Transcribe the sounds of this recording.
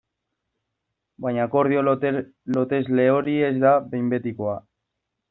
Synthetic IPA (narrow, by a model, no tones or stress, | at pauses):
bajɲako̞ɾðio | lo̞t̪e̞zle̞o̞ɾie̞zd̪abe̞jmbe̞t̪iko̞a